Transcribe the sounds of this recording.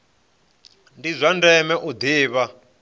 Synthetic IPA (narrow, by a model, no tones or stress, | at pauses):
ndizʷandɛmɛʔud̪iːβa